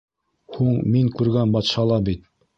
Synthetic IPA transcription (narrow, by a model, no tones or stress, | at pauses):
huɴmiŋkʉɾɡænbɑt̪ʃɑlˠɑbit̪̚